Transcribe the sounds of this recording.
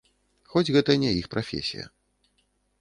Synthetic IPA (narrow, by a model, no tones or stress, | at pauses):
xɔd͡zʲɣɛt̪ɐnʲɛjixpɾafʲḛsʲḭjɐ̰